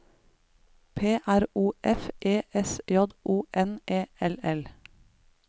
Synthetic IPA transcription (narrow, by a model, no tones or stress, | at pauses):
pʰeːʔæɾuːʔɛfʔeːʔɛsjɔd̪ʔuːʔɛnʔeːɛlɛl